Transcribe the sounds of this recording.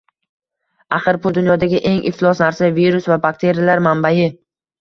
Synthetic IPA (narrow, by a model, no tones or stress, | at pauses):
aqɨɾpʊlˠd̪ʊnjɒd̪aɡʲɪʔe̞ŋʔɪft̪lˠɒsnaɾsaviɾʊsvabakt̪ʰe̞ɾijalaɾmambajɪ